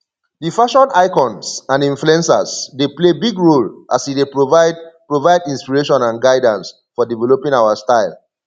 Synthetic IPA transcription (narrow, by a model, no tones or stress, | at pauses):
difaʃɔ̃naɪkɔ̃nsãnĩɱfluɛ̃nsasdeplebiɡɹolʔasidepɹovapɹovaɪdĩnspiɹeʃɔ̃nãnɡaɪdãns | fɔdivɛlopĩŋaʊastaɪl